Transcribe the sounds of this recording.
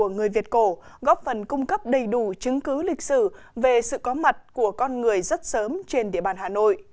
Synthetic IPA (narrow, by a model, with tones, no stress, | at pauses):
əŋɨ˨˩əjvi˨˩ət̚ko˧˩ɣɔ˦˥p̚fə˨˩nkʊ˧ŋ͡mkə˦˥p̚ɗə˨˩jɗu˧˩t͡ɕɨ˨˦ŋkɨ˨˦lï˨˩k̟̚sɨ˧˩ | ve˨˩sɨ̰˧˨kɔ˨˦ma˨˩t̚ku˧˩əkɔ˧nŋɨ˨˩əjzə˦˥t̚səː˨˦mt͡ɕe˧nɗḭ˧˨əɓaː˨˩nhaː˨˩no̰˧˨j